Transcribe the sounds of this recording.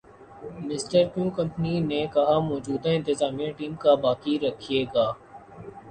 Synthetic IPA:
mɪsʈəɾkũːkɐ̃mpninekɐɦamɔːd͡ʒuːd̪aɪ̃nt̪ɪzaːmijãʈiːmkabaːkiɾɐkʰijeːɡaː

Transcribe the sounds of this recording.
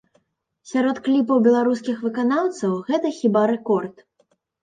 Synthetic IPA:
sʲaɾɔt̪klʲip̬ɐwbʲɛlˠaɾuskʲixvɨkanawt̪sɐwɣɛt̪ɐxʲibaɾɛkɔrt̪

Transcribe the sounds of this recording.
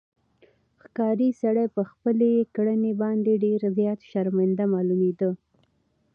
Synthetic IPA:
xkɑɾisaɽajpəxpəlekɽənebɑnd̪eɖeɾzjɑt̪ʃaɾmand̪amɑlumed̪ə

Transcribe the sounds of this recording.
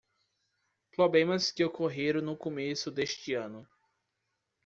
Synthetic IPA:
pɾoblẽmɐskɪewkʰoɦeɾʊnʊkomesʊd̪eʃt͡ʃɪɐ̃nʊ

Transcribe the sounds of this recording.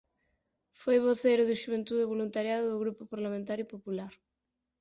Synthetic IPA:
fojβoθejɾʊðuʃuβ̞ent̪uðeβolunt̪aɾjaðʊðʊɣɾupopaɾlamẽnt̪aɾjupopulaɾ

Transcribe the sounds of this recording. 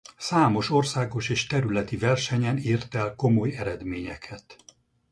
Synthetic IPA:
saːmo̞ʃo̞rsaːɡo̞ʃeːʃt̪ɛɾylɛt̪ivɛrʃɛɲɛniːrt̪ɛlko̞mo̞jɛɾɛd̪meːɲɛkʰɛt̪

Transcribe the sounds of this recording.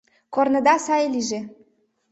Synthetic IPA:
kornɤ̆d̪ɑsɑjeliʒe

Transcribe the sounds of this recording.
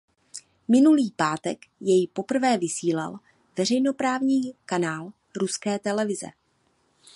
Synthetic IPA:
mɪnuliːpaːt̪ɛkjɛjpo̞pr̩vɛːvɪsiːla̰l | vɛr̝ɛjno̞pɾaːvɲiːkanaːl | ɾuskɛːt̪ɛlɛvɪzɛ̰

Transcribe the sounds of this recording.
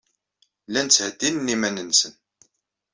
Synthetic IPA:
lænt͡sːhəd̪ːinənːimænənːsən

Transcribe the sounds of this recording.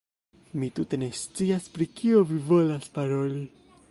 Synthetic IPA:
mitute̞ne̞st͡siaspɾikʰio̞vivo̞laspaɾo̞li

